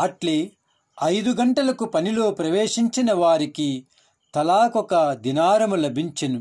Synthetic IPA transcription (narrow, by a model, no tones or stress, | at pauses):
ɐʈli | ɐjd̪uɡɐɳʈɐlɐkupɐnilo̞ːpɾɐʋeːʂiɲt͡ʃinɐʋaːɾiki | t̪ɐlaːkɔkɐd̪inaːɾɐmulɐbʱiɲt͡ʃɐnu